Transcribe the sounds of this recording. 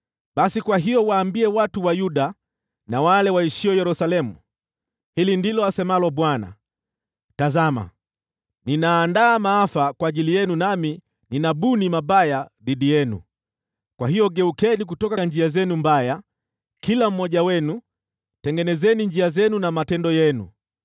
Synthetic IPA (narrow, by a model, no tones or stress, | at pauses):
ɓasikwaɦijɔwaːmbiɛwatuwajuɗa | nawalɛwaiʃiɔjɛɾusalɛmu | hilindilɔasɛmalɔɓwana̰ | tazama̰ | ninaːndaːmaafakwaːʄilijɛnunami | ninaɓunimaɓajaɗiɗijɛnṵ | kwahijɔɠɛukɛnik̬utɔkaɲd͡ʒiazɛnumbaja | kilam̩mɔʄawɛnu | tɛŋɡɛnɛzɛniɲd͡ʒiazɛnunamatɛndɔjɛnṵ